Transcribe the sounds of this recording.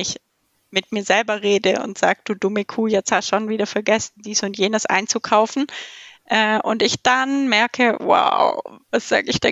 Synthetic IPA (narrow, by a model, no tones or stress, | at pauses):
ɪç | mɪtmiːɐzɛlbɐʁeːdəʊ̰ntz̥aːɡ̚d̥uːdʊməkʰuːjɛt͡sthaʃonviːdɐfɛɐɡɛsn̩d̥iːsʊntjeːnəsʔa̰ɪnt͡sukʰaʊfn̩ʔɛːʔʊ̰ntɪçd̥anmɛɐkʰəwa̰ʊvasz̥a̰ːɡəɪçd̥ɛ